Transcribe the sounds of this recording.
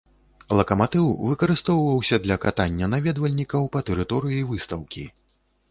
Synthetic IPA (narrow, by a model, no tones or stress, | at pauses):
lˠɐkɐmat̪ɨwvɨkɐɾɨst̪ɔwvɐwsʲɐd̪lʲɐkat̪anʲːɐnavʲɛd̪vɐlʲnʲikɐwpɐt̪ɛɾɨt̪ɔɾɨjivɨst̪ɐwkʲḭ